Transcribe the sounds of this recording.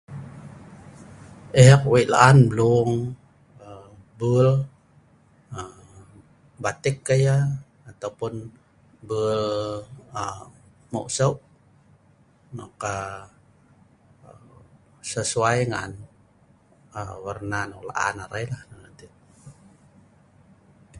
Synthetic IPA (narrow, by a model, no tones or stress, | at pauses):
ɛkwiʔla̰ʔanbəluŋ | ə | bəl | ə | bat̪ɪkːəjaː | t̪aupʊn | bəl | ə | mo̰ʔsəʔ | nɔ̰ka | səsuajŋan | əwərnanola̰ʔa̰naɾajlahnanat̪i